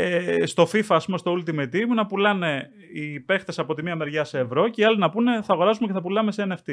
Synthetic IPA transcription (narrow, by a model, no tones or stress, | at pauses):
st̪o̞fifɐːspumest̪o̞ult̪imɐit̪imunɐpulɐne̞ | ipe̞xt̪e̞sɐpo̞t̪imiɐme̞ɾʝɐseːvɾo̞ceiɐlinɐpune̞θɐːɣo̞ɾɐsumeceθɐpulɐme̞seeneft̪i